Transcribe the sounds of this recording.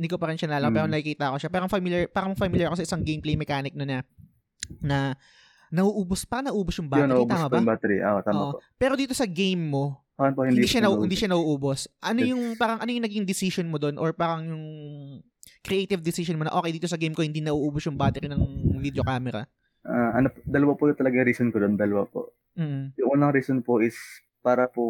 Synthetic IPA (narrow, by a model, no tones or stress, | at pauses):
nd̪ikopɐɾɪnʃɐnlaːlɐkɐpɛːɾonɐkikiːt̪ɐʔɐko̞ʃapɛːɾoŋfɐmɪljɐɹpaːɾɐŋfɐmɪljɛɾkos̬ɐʔɪsɐŋɡejmplejmɛkaːnɪk̚nonɐ | nɐ | nɐʔuːʔuːbospaːɾɐŋnɐʔuːbosjʊŋbajoɐʔuːbt̪aːmmɐbobat̪ɛɾḭʔo̰ʔot̪aːmʔopɛːɾo̞d̪iːt̪osɐɡejmːo̞paɐnpohɪnd̪iːʃaɐɪnd̪iʃɐnɐʔuːʔuːbosʔɐnojʊŋpaːɾɐŋʔɐnojʊŋnɐɡɪŋd̪ɪsɪʃonmod̪o̞nʔoɹpaːɾɐŋjʊŋ | kɾɪʔejt̪ɪvd̪ɪsɪʃonmonɐ̰ʔo̞ːkejd̪iːt̪osɐɡejmkohɪnd̪inɐʔuːʔuːbosjʊŋbaːt̪ɛɾinɐŋvid̪jokaːmɛɾɐ̰ | ʔaʔɐnopd̪ɐlɐwapojʊt̪ɐlɐɡɐŋɾiːsonkod̪ond̪ɐlɐwapo̰ʔ | m̩ːʔ̩jʊŋʔuːnɐŋɾiːsonpoʔɪs | paːɾɐpo